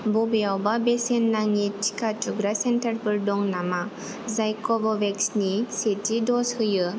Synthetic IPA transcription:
bɔbijawbabesenːaŋitʰi̥katʰuɡɾasentəɾbɯɾdɔŋnama | zajkɔbɔbeksnisetidɔshɯjɯ

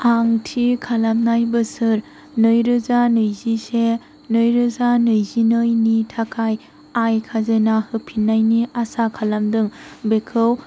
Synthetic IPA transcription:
aŋtʰikʰalamnajbɯsɯɾ | nɯjɾɯzanɯjzise | nɯjɾɯzanɯjzinɯjnitʰakʰaj | ajkʰazenahɯpʰinːajniasakʰalamdɯŋbekʰɯw

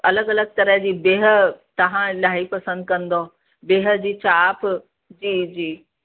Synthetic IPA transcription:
ɐləɡɐləɡ̚t̪ɐɾəɦd͡ʑiːbeːɦə̆t̪ɐɦãlaːipɐsə̃nd̪̚kɐ̃nd̪o | beːɦə̆d͡ʑiːt͡ɕaːp | d͡ʑiːd͡ʑiː

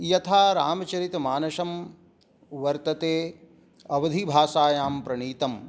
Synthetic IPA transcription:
jɐt̪ʰaːɾa̰ːmɐt͡ʃɐɾit̪maːnɐʃɐm | ʋɐɾt̪ɐt̪eː | ɐʋɐd̪ʱibʱaːʃaːjaːmpɾɐɳiːt̪ɐm

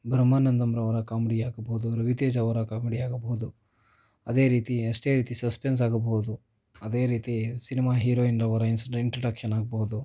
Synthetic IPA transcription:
bʱɾɐmːaːnɐnd̪ɐmɾɐʋɐɾɐkaːmeɽijaːɡɐboud̪uɾɐʋit̪eːd͡ʒɐʋɐɾɐkaːmeɽiaːɡɐbɐɦud̪u | ɐd̪e̞ːɾiːt̪iɐsʈeːɾiːt̪isɐspens̬aːɡɐbɐɦud̪u | ɐd̪eːɾiːt̪isinimaːɦiːɾoːinɾɐʋɐɾɐinsiɳʈɾɐɖɐkʃɐnaːɡɐbɐɦud̪u

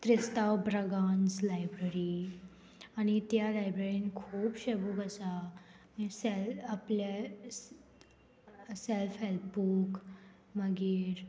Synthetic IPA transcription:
t̪ɾist̪awbɾəɡand͡zlajbɾəɾi | añit̪jalajbɾeɾinikʰuːbɕebukəsa | misɛlaple | sɛlfɦɛlpbuk | məɡiːɾ

